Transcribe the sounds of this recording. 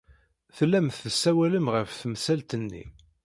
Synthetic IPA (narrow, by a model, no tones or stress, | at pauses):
θlːæmθəsːæwæləmʁəfθmsælt̪ənːḭ